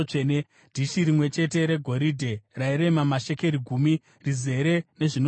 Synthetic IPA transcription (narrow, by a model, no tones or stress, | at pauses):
ene | d̥ʱiʃiɾimwe̞t͡ʃe̞te̞ɾe̞ɡʱo̞ɾidʱeraiɾe̞mamaʃe̞ke̞ɾiɡʱumi | rize̞ɾe̞ne̞ʐin